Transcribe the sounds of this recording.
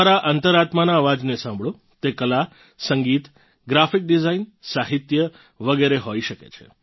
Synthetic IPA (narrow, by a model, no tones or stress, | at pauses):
aɾaʔənt̪əɾat̪manaːʋad͡ʒnesãmbʱɭõ | t̪ekəla | səŋɡit̪ | ɡɾafik̚ɖizainsaɦit̪jə | ʋəɡeɾeɦoiʃəkḛt͡ʃʰe̥̰